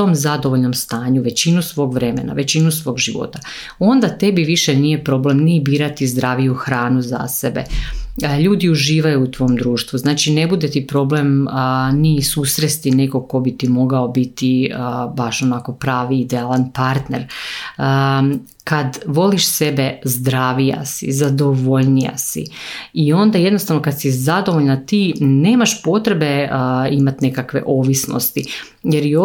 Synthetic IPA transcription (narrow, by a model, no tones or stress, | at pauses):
t̪o̞mzad̪oʋo̞ʎno̞mst̪aːɲuʋe̞t͡ɕinusʋo̞ːɡʋɾe̞me̞̰na̰ʋe̞t͡ɕinusʋo̞ːɡʒiʋo̞̰t̪a | o̞nd̪at̪e̞biʋiʃenije̞pɾo̞ːble̞mnibiːɾat̪izd̪ɾaːʋijuxɾaːnuza̰sebe̞̰ | ʎuːd̪iuʒiːʋajuut̪ʋo̞ːmd̪ɾuːʃt̪ʋuznaːt͡ʃine̞bud̪e̞t̪ipɾo̞ble̞mnisuːsɾest̪ine̞ɡo̞ko̞bit̪imo̞ɡao̞bit̪iəbaʃo̞nako̞pɾaːʋiid̪ealˠanpaɾt̪neɾ | kad̪ʋo̞liʃse̞be̞zd̪ɾaːʋija̰sḭzad̪oʋo̞ʎnija̰sḭio̞nd̪aje̞d̪nost̪aʋnokad̪sizad̪o̞ʋo̞ʎnat̪iːne̞ːmaʃpo̞t̪ɾe̞beimat̪ne̞kakʋe̞̰ʔo̞ːʋisno̰st̪i | jeɾio